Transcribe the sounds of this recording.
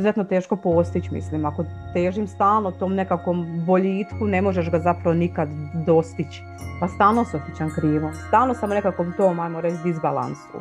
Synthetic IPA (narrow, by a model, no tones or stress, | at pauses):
uzet̪not̪eːʃko̞po̞st̪it͡ɕmḭslimako̞t̪eːʒimst̪aːlˠnot̪oːmne̞kakombo̞ʎiːt̪kune̞moʒeʃɡazapɾaʋonikad̪ːo̞st̪it͡ɕ | past̪aːlˠnoseosit͡ɕankɾiːʋomst̪aːlˠnosamone̞kakomt̪oːmajmoɾet͡ɕd̪izbalˠa̰nsṵ